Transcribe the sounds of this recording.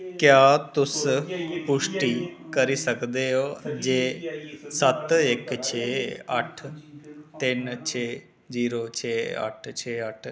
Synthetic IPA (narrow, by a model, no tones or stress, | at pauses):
kjaːt̪ʊspʊʃʈiːkəɾiːsəkd̪eːoːd͡ʒeːsət̪ɪkt͡ʃʰeːəʈʰ | t̪ɪnt͡ʃʰeː | ziːɾoːt͡ʃʰeːə̰ʈʰt͡ʃʰeːəʈʰ